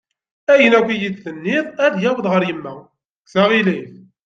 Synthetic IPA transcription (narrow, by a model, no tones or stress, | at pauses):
æjənækʷijiθθənːɪðˤæðjæwəðʁəɾjəmːæ | ksæʁiliθ